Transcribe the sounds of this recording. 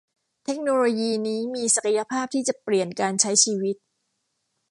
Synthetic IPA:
t̪ʰe˦˥k̚noː˧loː˧jiː˧niː˦˥miː˧sa˨˩ka˧ja˧pʰaː˥˩p̚t̪ʰiː˥˩t͡ɕa˨˩pli˨˩ənkaː˧nt͡ɕʰa˦˥jt͡ɕʰiː˧wi˦˥t̪̚

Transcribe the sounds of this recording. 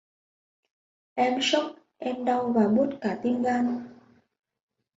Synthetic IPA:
ʔɛ˧mʃɔ˦˥k̚ | ɛ˧mɗa˧wvaː˨˩ɓo˦˥t̚kaː˨˩t̪i˦ŋɡa˦˧n

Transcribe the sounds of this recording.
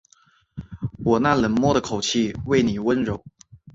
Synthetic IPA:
wɔ˨˩na˥˩lə˨˥nmwɔ˥ɾə˨kʰo˨˩ʊt͡ɕʰi˥˧we˥˩ɪni˨˩wə˥nɻo˨˥˦ʊ

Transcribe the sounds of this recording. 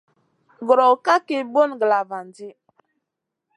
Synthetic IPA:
ɡɾɔ˨ka˦ke˨bo˦˨nɡə˨la˨va˨n˨di˦

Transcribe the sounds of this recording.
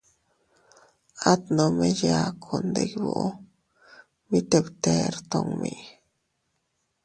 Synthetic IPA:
a˦t̪no˨me˦ja˨kʰo˨nd̪e˨kbo̰˨ʔo˦ | mi˦t̪e˨bt̪e˦ɾt̪o˧ŋmi˨ʔ

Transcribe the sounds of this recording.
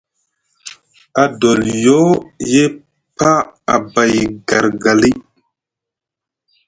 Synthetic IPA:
a˨do˨ljo˦je˦ | pa˦a̰˨ba˨jɡa˨ɾɡa˨li˦

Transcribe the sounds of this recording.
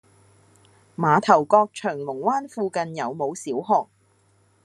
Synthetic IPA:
maː˨˧t̪ʰɐ˨˩wkɔː˧k̚t͡ʃʰœː˨˩ŋlʊ˨˩ŋwaː˥nfuː˧kɐ˧njɐ˨˧wmo˨˧wsiː˨˥wɦɔː˧k̚

